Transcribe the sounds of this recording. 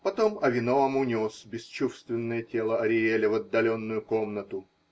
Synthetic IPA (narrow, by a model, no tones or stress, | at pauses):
pɐt̪omɐvʲɪnoɐmunʲo̞sbʲɪst͡ɕufst̪vʲɪnːəjətʲe̞lˠəɐɾʲɪelʲɪvɐd̪ːɐlʲo̞nːʊjʊko̞mnət̪ʊ